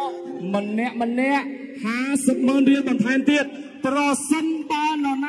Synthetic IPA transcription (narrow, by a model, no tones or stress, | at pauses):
monːɛ̆əʔmə̆nːɛ̆əʔhaːsəp̚məənriəlɓɑnt̪ʰaɛmt̪iət̪̚ | prɑsənt̪ɑːnɔna